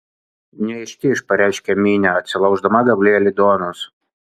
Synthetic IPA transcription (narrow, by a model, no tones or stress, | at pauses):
nʲɛɛɪʃʲt̪ʲɪɪʃpɐɾʲæˑɪʃʲkʲɛmʲiːnʲæɐt̪ʲsʲɪlˠɐʊʒd̪ɐmɐɡɐbʲlʲeːlʲɪd̪oːnʊs